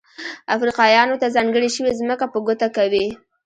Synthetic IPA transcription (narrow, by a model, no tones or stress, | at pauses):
afɾiqɑjɑnot̪azɑŋɡəɽiʃəwezməkapəɡʊt̪akawi